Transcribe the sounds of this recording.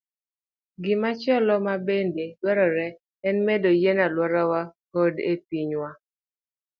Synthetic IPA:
ɡɪmat͡ʃɔlɔmabendelwɛɾɔɾɛ | ɛnmedojenalwɔɾawakodḛpiɲwa

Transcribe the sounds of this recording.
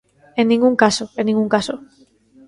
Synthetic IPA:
ẽnnĩŋɡuŋkasoẽnːĩŋɡũŋkaso

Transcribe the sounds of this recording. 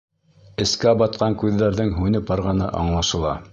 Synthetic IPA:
ɘ̆skæbɑt̪̚qɑŋkʉðːæɾðɘŋɦʉnɘpɑɾʁɑnɤ̰ʔɑ̰ɴlˠɑʃɤ̆lˠɑ̰

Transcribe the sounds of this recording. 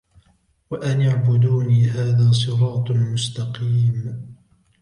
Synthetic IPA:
waʔanjaʕbʊd̪uːniːɦaːðaːs̬ˤɨɾɑːt̪ˤmʊst̪ɑqiːm

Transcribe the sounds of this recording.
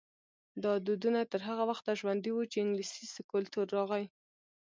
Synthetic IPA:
d̪ɑd̪ud̪unat̪əɾɦaɣawaxt̪aʒwand̪iwut͡ʃeɪŋɡlisisɪkʊlt̪uɾːɑɣaj

